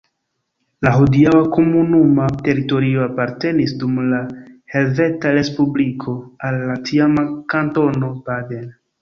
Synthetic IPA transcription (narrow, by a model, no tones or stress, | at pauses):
laɦodiawako̞munumate̞ɾito̞ɾio̞apaɾte̞nisdumlahe̞lve̞taɾe̞spublikʰo̞alːatʰiamakanto̞no̞baden